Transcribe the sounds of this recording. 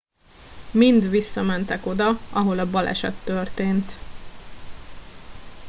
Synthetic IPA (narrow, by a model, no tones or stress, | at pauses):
mind̪ʋisːɒmɛnt̪ɛko̞d̪ɒʔɒɦo̞lɒbɒlɛ̰ʃɛ̰t̪ːørt̪eːnt̪